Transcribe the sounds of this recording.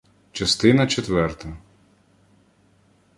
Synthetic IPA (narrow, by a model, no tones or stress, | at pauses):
t͡ʃɐst̪ɪnɐt͡ʃet̪ʋɛrt̪ɐ